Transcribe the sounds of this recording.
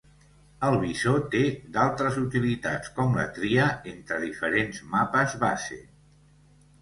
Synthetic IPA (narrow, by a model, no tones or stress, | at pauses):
əlˠβizot̪ed̪alˠt̪ɾəzut̪ilit̪a̰t͡skɔmlə̰t̪ɾiəent̪ɾəðifəɾenzmapəzβasḛ